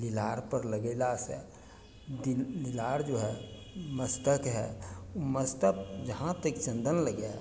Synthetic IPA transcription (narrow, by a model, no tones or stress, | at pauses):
lilaɾpəɾləɡəlasə̰ | dililaɾd͡ʒoɦɛ | məst̪əkɦɛ̰uməst̪ək̚d͡ʒəɦãt̪əkt͡ʃənd̪ənləɡɛ